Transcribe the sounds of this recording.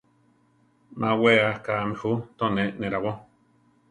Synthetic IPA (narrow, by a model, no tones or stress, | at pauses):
mʔãweakamĩhut̪onenẽɾawo